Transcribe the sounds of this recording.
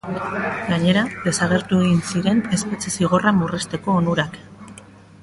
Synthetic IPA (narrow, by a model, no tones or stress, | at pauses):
ɡaɲe̞ɾaðe̞saɣ̞e̞ɾt̪ueɣinsiɾe̞ne̞spet͡sesiɣ̞o̞ramurest̪e̞ko̞ːnuɾak